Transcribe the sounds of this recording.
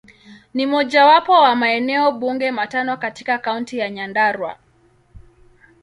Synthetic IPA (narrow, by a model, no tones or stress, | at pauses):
nimɔʄawapɔwamaɛnɛɔɓuŋɡɛmatanɔkatikakauntijaɲandaɾwa̰